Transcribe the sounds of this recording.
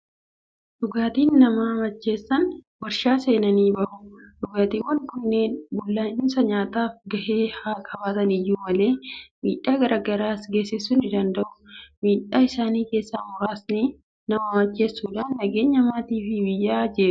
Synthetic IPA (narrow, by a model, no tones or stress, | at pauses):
d̥ʊɡaːt̪iːnːɐmɐmɐt͡ʃːe̞ːsːɐnwɐɾʃaːse̞ːnɐniːbɐʔʊᶑʊɡaːt̪iːwɐŋkʊnːeːnbʊlːaːɪmsɐɲaːt̪aːfɡɐheːhaːkʰɐbaːt̪ɐnɪjːuːmɐle̞ːmḭːᶑːaːɡɐɾʔɐɡɐɾaːsɡeːsːɪsːʊnɪd̪ɐnd̪ɐʔʊ̥miːᶑːaːɪsaːniːke̞ːsːaːmʊɾaːsni | nɐmɐmɐt͡ʃːe̞ːsːuːᶑaːnːɐɡeːɲːɐmaːt̪iːfɪbɪjːaːd͡ʒeːɾʊ̥